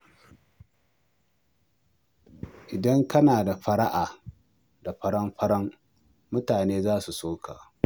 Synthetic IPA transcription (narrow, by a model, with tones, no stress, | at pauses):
ʔɪ˨dɐ˦ŋkɐ˦naː˨da˨ɸɐ˦ɽa˦ʔaː˨ | da˨ɸɐ˦ɽɐ˦mɸɐ˦ɽɐ˦ŋ | mʊ˦taː˨neː˦zaː˦su˨soː˦kʰa̰ː˨